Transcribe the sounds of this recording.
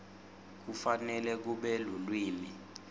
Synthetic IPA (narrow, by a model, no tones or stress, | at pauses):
k̬ufanɛlɛk̬uɓɛlulwiːmi